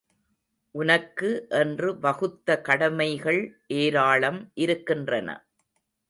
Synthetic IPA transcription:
ʔʊnɐkːɯʔɛndrɯʋɐɣɯt̪ːɐkɐɽɐmɐɪɣɐɭʔeːɾaːɭɐmʔɪɾɯkːɪndrɐnɐ̰

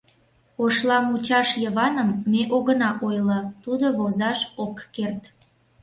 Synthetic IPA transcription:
oʃlɑmut͡ɕɑʃjəβɑnəmːeʔoɣənɑʔojlət̪ud̪oβozɑʃokːert̪

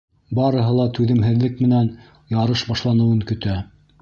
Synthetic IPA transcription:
bɑɾɤ̆ɦɤlˠɑt̪ʉðɘ̆mɦɘ̆ðlɘkmɘ̆næn | jɑɾɤʃbɑʃlˠɑnɤ̆wɤŋkɵ̆t̪æ

